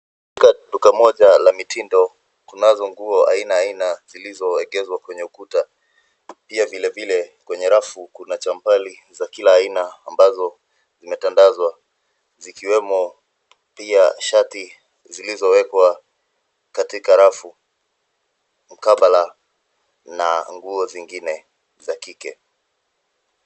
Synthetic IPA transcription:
k | ikaɗukamɔʄalamitindɔ | kunazɔŋɡuɔa̰inaːinaz̥ilizɔɛɠɛzwakwɛɲɛukuta | piavilɛvilɛkwɛɲɛɾafukunat͡ʃampalizakilaːinaːmbazɔ | zimɛtandazwa | zikiwɛmɔ | piaʃati | zilizɔwɛkwa | katikaɾafu | m̩kaɓala | na̰ŋɡuɔziŋɡinɛ | zakikɛ̰

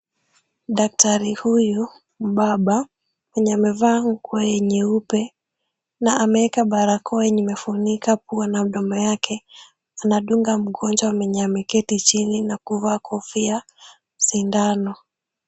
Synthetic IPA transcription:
ɗak̚taɾihuju | m̩ɓaɓa | wɛɲɛamɛvaːŋ̩kjɛɲɛupɛ | naamɛɛkaɓaɾakʰɔɛɲimɛfunikapuanam̩ɗɔmɔjakʰɛ | anaɗuŋɡam̩ɠɔnd͡ʒwamɛɲamɛkɛtit͡ʃininakuvaːkʰɔfia | m̩sindanɔ

